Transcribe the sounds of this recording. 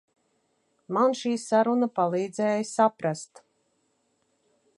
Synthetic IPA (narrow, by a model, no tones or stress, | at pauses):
manʃiːsaɾunapalˠiːd̪zɛːjsapɾast̪